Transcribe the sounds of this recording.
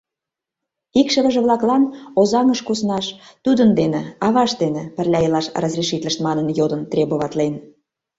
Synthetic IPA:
ikʃə̆βə̆ʒə̆βlɑklɑnozɑŋəʃkusnɑʃt̪ud̪ənd̪enĕɑβɑʃd̪enĕpə̆rlʲɑilɑʃrɑzrʲiʃit̪ʲlʲə̆ʃt̪mɑnənjod̪ə̆nt̪rʲeboβɑt̪len

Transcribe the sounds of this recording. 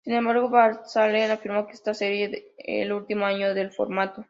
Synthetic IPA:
sinembaɾɣo̞βaɾsalenafiɾmo̞keest̪ase̞ɾjeḛlult̪imoaɲo̞ðe̞lfo̞̰ɾmat̪o

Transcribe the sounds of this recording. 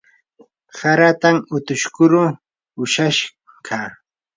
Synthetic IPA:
saɾat̪amʊt̪ʊʃkʊɾʊ | ʊʃaʃ | kʰa

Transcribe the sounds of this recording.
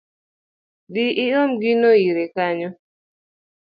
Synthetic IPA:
diʔɪɔmɡinojiɾekaɲɔ

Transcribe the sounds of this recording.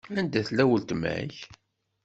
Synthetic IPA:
ænd̪æθlæwəlt̪mæ̰ʕç

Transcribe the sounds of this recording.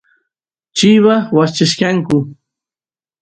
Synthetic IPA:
t͡ʃɪwawat͡ʃaʃkaŋkʊ

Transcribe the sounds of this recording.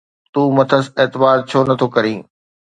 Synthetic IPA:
t̪uːmɐt̪ʰəseːt̪ɪbaːɾt͡ɕʰoːnɐt̪ʰokɐɾĩː

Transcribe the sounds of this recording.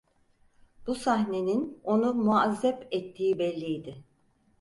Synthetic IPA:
b̥usaɦne̞nino̞numuazːɛpɛt̪ʰːiːbɛlʲːijd̪ɪ

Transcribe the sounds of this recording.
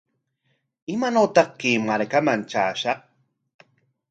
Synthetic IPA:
ɪmanot̪ɑq̚kiːmaɾkamant͡ʃa̰ːʃɑq̚

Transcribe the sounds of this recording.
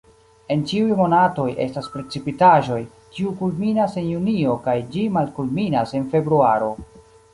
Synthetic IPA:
e̞nt͡ʃiujmo̞nato̞jḛstaspɾe̞t͡sipitaʒo̞j | kiukulminase̞njunio̞kajd͡ʒimalkulminase̞nfe̞bɾuaɾo̞

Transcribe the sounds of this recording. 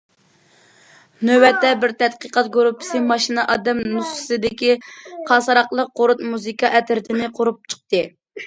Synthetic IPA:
nøwɛt̪ːɛbɪɾt̪ʰɛt̪qəqɑt̪̚ɡoɾupʰːɪ̥sɨmɑʃinɑʔɑd̪ɛmnusχsɪd̪ɪkʲiqʰɑsɑɾɑqlˠəq̚ːoɾut̪muzɨkɑʔɛt̪ɪɾɪt̪ʰɪnɪqʰoɾup̚t͡ʃʰə̥q̚t̪ɨ

